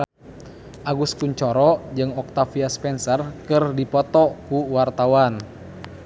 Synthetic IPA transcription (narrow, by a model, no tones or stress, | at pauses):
ʔaɡuskuɲt͡ʃɔɾɔd͡ʒɨŋɔk̚t̪afiaspɛnsɛrkɨrdipɔt̪ɔkuwart̪awan